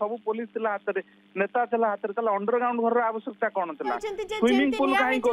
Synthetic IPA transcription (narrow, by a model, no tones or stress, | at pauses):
sɔbupolist̪ilaɦat̪ɐɾi | net̪at̪ilaɦat̪ɐɾit̪alaɔɳɖəɾɡawɳɖbʱɔɾɾeaʋəsjək̚t̪akɔɳ̃ɔt̪ila̰sʋimiŋɡpulkaːĩko